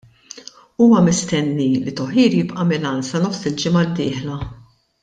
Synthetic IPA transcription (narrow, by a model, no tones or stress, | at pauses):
uːmɐmɪst̪ɛnːilit̪ɔħiːɾjɪpʔɐmɪlɐnsɐnɔfsɪld͡ʒɪmɐd̪ːɪːħlɐ